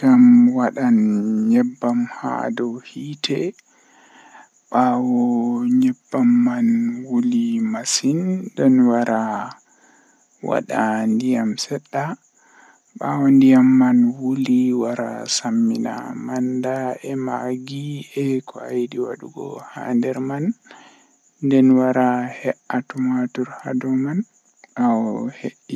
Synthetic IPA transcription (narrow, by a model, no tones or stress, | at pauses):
ɡamwaɗanɲɛbːamha̰dɔhitʰɛ | ɓawɔɲɛbːamːanwulimasindɔnwaɾa | wa̰ɗandijamsɛɗːa | ɓawandijamːanwuliwaɾa̰samːina̰mandaɛmaɡiɛkɔajdiwa̰ɗuɡɔ̰ha̰ndɛɾman | dɛnwaɾahɛʔatumatuɾha̰dɔman | ʔawheʔːi